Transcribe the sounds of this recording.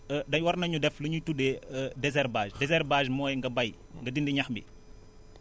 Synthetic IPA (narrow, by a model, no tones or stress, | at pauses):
dɐɲwɐrnɐɲudɛflɐɲutudɛdɛzɛrbaːʒdɛzɛrbaːʒmɔːjŋɡɐbɐj | ŋɡɐdindiɲɐxmbḭ